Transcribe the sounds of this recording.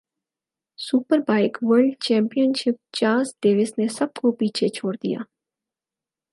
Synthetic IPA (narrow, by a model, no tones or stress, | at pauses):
suːpəɾbaːɪkʋəɾɖt͡ʃɛ̃ːmpijənʃɪp̚t͡ʃaːzɖ̪eːʋɪsnesɐb̚kopiːt͡ʃʰet͡ʃʰoːɽd̪ḭja̰ː